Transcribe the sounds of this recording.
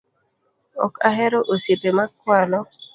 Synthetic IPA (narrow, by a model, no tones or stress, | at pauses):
ɔ̰kaɦɛɾɔʔosipemakːwalɔ